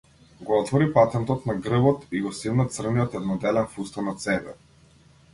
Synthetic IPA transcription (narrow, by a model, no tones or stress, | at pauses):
ɡɔɔt̪vɔɾipat̪ɛnt̪ɔt̪naɡr̩bɔt̪iɡɔsivnat̪sr̩nijɔt̪ɛd̪nɔd̪ɛlɛnfust̪anat̪sɛbɛ̰